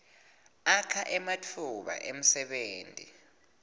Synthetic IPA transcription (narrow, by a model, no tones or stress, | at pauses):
akʰaʔɛmatʰuɓa̰ʔem̩sɛɓeːntʼi